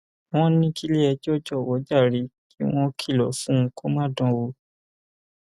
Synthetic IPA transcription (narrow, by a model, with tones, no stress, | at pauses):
w̃ɔ̃˦nĩ˦ki˦le˦ɛ˧d͡ʒɔ˦˨d͡ʒɔ˦˨wɔ˨˦d͡ʒa˦˨ɾi˨˦ki˦w̃ɔ̃˦kʰi˦˨lɔ˨˦fũ˦˧˦ko˦mãː˦˨dɔ̃˧˦wo˧